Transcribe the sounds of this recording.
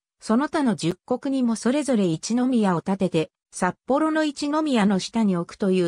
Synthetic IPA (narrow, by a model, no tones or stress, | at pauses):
so̞no̞t̪ano̞d͡ʑɨkːo̞kɯ̟ɲ̟imo̞so̞ɾe̞zo̞ɾe̞it͡ɕino̞mʲijao̞t̪at̪e̞t̪e̞ | sapːo̞ɾo̞no̞it͡ɕino̞mʲijano̞ɕi̥t̪aɲ̟io̞kɯ̟̥t̪o̞jɯ̟ː